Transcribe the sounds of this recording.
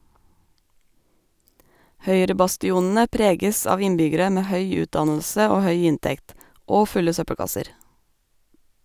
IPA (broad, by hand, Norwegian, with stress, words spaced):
ˈhœʏɾəbɑstɪˌuːnn̩ə ˈpɾeːɡəs ˈɑːʋ ˈɪnbʏɡəɾə ˈmeː ˈhœʏ ˈʉːtˌdɑnl̩sə ˈoː ˈhœʏ ˈɪntɛkt ˈoː ˈfʉlə ˈsœpəɽˌkɑsəɾ